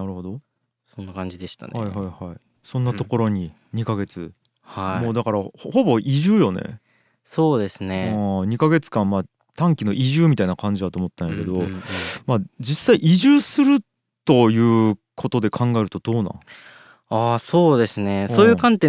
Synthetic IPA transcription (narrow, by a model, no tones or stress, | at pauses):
naɾɯ̟ɦo̞d̪o̞ | sõnːakãɲ̟d͡ʑid̪e̞ɕi̥t̪a̰nhaihaihai | sõ̞nːat̪o̞ko̞ɾo̞ɲ̟i | ɲ̟ikaɡe̞t͡sɨ | haimo̞ːd̪akaɾahho̞bo̞ʔiʑɨːjo̞ne̞̰ | so̞ːd̪e̞sɨnẽɲ̟ikaɡe̞t͡sɨ̥kãmmaː | t̪ãŋkʲino̞ʔiʑɨːmʲit̪ainakãɲ̟d͡ʑid̪at̪oːmot̪ːãjake̞d̪o̞maːd͡ʑisːaiʔiʑɨːsɨɾɯ̟ | t̪o̞jɯ̟ː | kʰo̞t̪o̞d̪e̞kʰãŋɡae̞ɾɯ̟t̪o̞d̪̥o̞ːnã̰ | aːsoːd̪e̞sɨne̞soːjɯːkãnt̪ẽ